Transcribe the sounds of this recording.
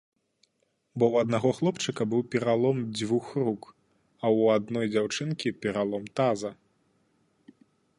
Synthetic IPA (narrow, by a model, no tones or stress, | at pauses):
bɔwɐd̪naɣɔxlˠɔpt͡ʂɨkɐbɨwpʲɛɾalˠɔmd͡zʲvuxruk | ɐwad̪nɔjd͡zʲawt͡ʂɨnkʲipʲɛɾalˠɔmt̪azɐ